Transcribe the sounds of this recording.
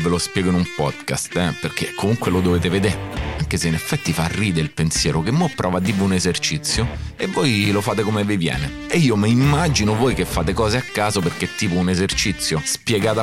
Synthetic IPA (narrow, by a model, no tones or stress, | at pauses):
velospjɛːɡoinumpɔ̰d̪ka̰st̪ɛperk̟ʰekʰːomuŋkwelod̪oveːt̪eved̪eɾaŋk̟eseinefːɛt̪ːifarːiːd̪eilpensjɛːɾokemːopːɾʔɔːvad̪ːiːvːeunezert͡ʃit̪sːjoevːɔjlofaːt̪ekomevivjɛ̰ːne | eiːomeimːad͡ʒinovoːjkefːaːt̪ekɔːzeakːaːzoperk̟et̪ːiːpounezert͡ʃit̪sːjospjeɡaːt̪a